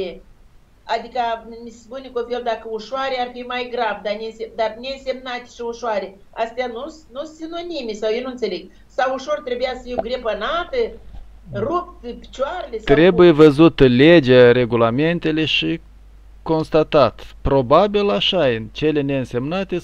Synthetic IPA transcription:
e | ad̪ikamʲisspunʲekofeld̪akəuʃoaɾearfimajɡɾavd̪anʲeɨnsed̪arnʲe̞ɨnse̞mnat̪e̥ʃiuʃoaɾe | ast̪eanusnusinonimesawjewnunt̪seleɡ̚ | sawuʃo̞rt̪ɾe̞bujasə̥fiwɡɾepənat̪ə | rup̚t̪pʲi̥t͡ʃoaɾelʲest̪ɾe̞bujevəzut̪led͡ʒaɾe̞ɡulame̞nt̪e̞le̞ʃi | ko̞nst̪at̪at̪pɾo̞babilaʃaɨnt͡ʃe̞le̞neɨnse̞mnat̪e

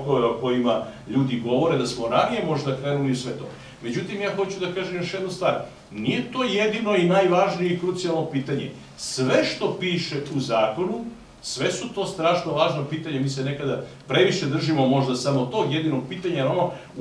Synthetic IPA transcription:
ɡoʋeoko̞jima | ʎuːd̪iɡo̞ʋo̞ɾe̞d̪asmoɾanijemo̞ʒd̪akɾeːnulisʋet̪o̞̰ː | me̞d͡ʑut̪imjaːxo̞t͡ɕud̪akaːʒemjo̞ʃje̞d̪nost̪ʋaːɾ | nije̞t̪o̞ːje̞d̪ino̞inajʋaːʒnijeikɾut̪sijalˠnopiːt̪aɲe̞̰ | sʋeʃt̪o̞piːʃe̞uzaːko̞nu | sʋe̞sut̪o̞ːst̪ɾaːʃnoʋaːʒnopiːt̪aɲemiːse̞ne̞kad̪a | pɾe̞ʋiʃe̞d̪r̩ʒimo̞mo̞ʒd̪asamot̪o̞ːɡje̞d̪ino̞ɡ̚piːt̪aɲanama

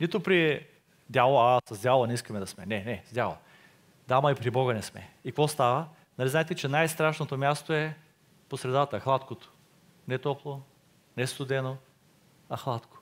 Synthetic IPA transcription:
nit̪ʊpɾi | d̪ʲalˠoasɐzd̪ʲjalˠonɛiskəmɛd̪ɐsmɛnɛnɛz̥d̪ʲalˠɐ̰ | d̪amɐipɾibɔɡənɛsmɛ̰ikvɔst̪avə | nɐlizaɛt̪ɛt͡ʃɛnajst̪ɾaʃnot̪omʲjast̪oɛ | posɾɛd̪at̪əxlˠat̪kot̪o̥ | nɛt̪ɔplˠo | nɛst̪ʊd̪ɛno | ɐxlˠat̪ko̥

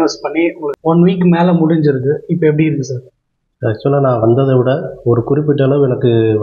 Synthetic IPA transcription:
ʋɐspɐɳːiɔɔnʋiːkːmeːlɐmʊɽɪɲd͡ʒɪɾɯkːɯɪpːɐɛp̬ːɐɽiɪɾɯkːɯsaːɾ | ɐt͡ʃːʊmɐlːaːnãːʋɐnd̪ɐðɐʋɪɽɐɔɾɯkʊɾɪp̬ːɪʈːɐlɐ̃ɛnɐkːɯ

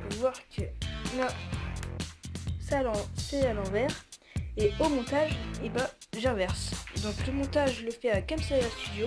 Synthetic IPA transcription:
vwaʁkʰənɔ̃ | salɑ̃sealɑ̃vɛʁeomɔ̃t̪aʒebaʒɛʁvɛʁsd̪ɔ̃kləmɔ̃t̪aʒləfɛakamsaãst̪yd̪jo

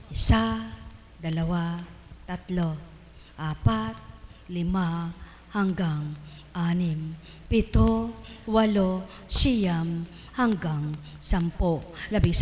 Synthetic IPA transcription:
ʔɪsa | d̪ɐlɐwa | t̪ɐt̪lo | ʔaːpat̪̚ | lɪma | hɐŋɡaŋʔaːnɪm | pɪt̪owɐlo | sɪjam | hɐŋɡaŋ | sɐmpolɐbɪŋ

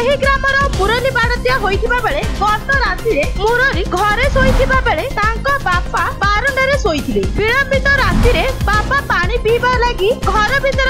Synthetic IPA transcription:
ɦiɡɾamɔɾɔpuɾɔlibaɽɔt̪ijaɦojt̪ʰibabeɭeɡɔʈɔɾasiɾemuɾɔɾiɡʱɔɾesojt̪ʰibabeɭet̪aŋkɔbapabaɾɔɳɖɔɾesojt̪ʰilebiɭɔmbit̪ɔɾasiɾebapapaɽ̃ipiːbalaɡiɡʱɔɾɔbʱit̪ɔɾ

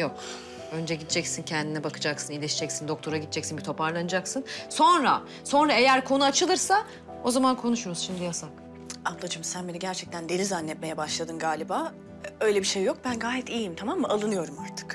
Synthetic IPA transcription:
jok | ø̞nd͡ʒɛɟid̪d͡ʒɛcsincʰɛnd̪inɛbakʰɯd͡ʒaksɯnilʲɛʃid͡ʒɛcsind̪o̞k̚t̪ʰo̞ɾaɡɟid̪̚d͡ʒɛcsinbit̪ʰo̞paɾlˠanɯd͡ʒaksɯnso̞nɾa | so̞nɾae̞jæɾkʰonuat͡ʃʰɯlˠɯɾsa | o̞zamankʰo̞nuʃuɾuz̥ʃimd̪ijasak | ablˠad͡ʒɯmsænbeniɟæɾt͡ʃʰɛct̪ʰænd̪eɾizanːɛt̪̚me̞jɛbaʃlˠad̪ɯnɡaːlʲibaː | ø̞jlʲebiʃejːo̞k̚bænɡaːjɛt̪iːjimt̪ʰamamːɯalˠɯnɯjo̞ɾumaɾt̪ʰɯ̥k

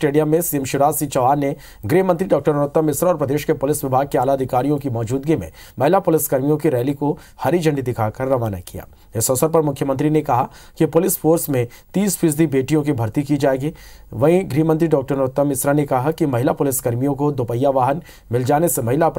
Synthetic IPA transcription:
ʈeːɖijəmːẽsiəmʃɪɾaːsit͡ʃɐʋaːɾne | ɡɾiːɦmə̃nt̪ɾiɖɔːk̚ʈəɾnɐɾʊt̪ːəmːɪsɾaɔːɾpɾɐd̪eːʃkepʊlɪsʋɪbʱaːɡ̚keaːlaɐd̪ʱɪkaːɾijõkimɔːd͡ʒuːd̪ɡimḛ̃ | mɐɦɪlapʊlɪskɐɾmijõkiɾɛːliko | hɐɾid͡ʒɐ̃ɳɖid̪ɪkʰakɐɾːɐʋaːna̰kija̰ː | ɪsɔsəɾpɐɾmʊkʰjəmənt̪ɾinekɐɦa | kipʊlɪspʰoːɾsmẽ | t̪iːspʰɪsd̪ibeːʈijõk̬ibʱɐɾt̪ikid͡ʒaːeːɡiː | ʋɐɦĩɡɾiːɦmə̃nt̪ɾiɖɔːk̚ʈəɾnɐɾʊt̪ːəmːɪsɾanekɐɦakimɐɦɪlapʊlɪskɐɾmijõkod̪opəjːaʋaːɦən | mɪld͡ʒaːnesemɐɦɪlap

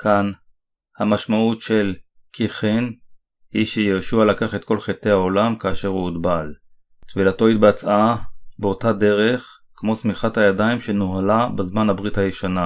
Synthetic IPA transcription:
kʰan | hamaʃmaʔutʃel | kʰiχen | hiʃejoʃualakaχet̪̚ko̞lχet̪e̞haolamkaːʃe̞ʁuudbal | t̪vilato̞it̚bat͡sʔabeo̞tade̞ʁeχ | kmo̞smiχathajadaimʃenoɦalabezmanhabʁithajeʃana

